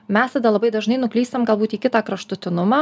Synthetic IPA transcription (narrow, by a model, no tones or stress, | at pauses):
mʲɛst̪ɐd̪ɐlˠɐbɐɪd̪ɐʒnɐɪnʊklʲiːst̪ɐmɡɐlˠbuːt̪iːkʲɪt̪ɑːkɾɐʃt̪ʊt̪ʲɪnʊmɑː